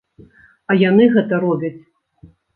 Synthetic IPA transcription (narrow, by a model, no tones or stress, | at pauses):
ɐjanɨɣɛt̪ɐɾɔbʲɐt͡sʲ